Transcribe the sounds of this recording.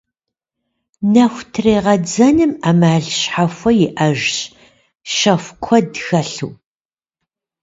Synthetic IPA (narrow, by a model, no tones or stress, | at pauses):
nɐxʷtʰreːʁɐd͡zɐnɨmaːmaːɮɕħafʷɔjɪʔɐʒɕ | ʃɐxʷkʷʰɔdxɐɬṵː